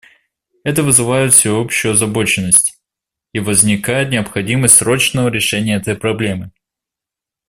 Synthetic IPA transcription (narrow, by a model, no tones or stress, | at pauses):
ɛt̪əvɨzɨvajɪt̪fʲsʲɪopɕɪjʊɐzɐbo̞t͡ɕɪnːəsʲtʲ | ivəzʲnʲɪkajɪt̪nʲɪɐpxɐdʲiməsʲtʲsɾo̞t͡ɕnəvəɾʲɪʂɛnʲɪjəɛt̪əjpɾɐblʲe̞mɨ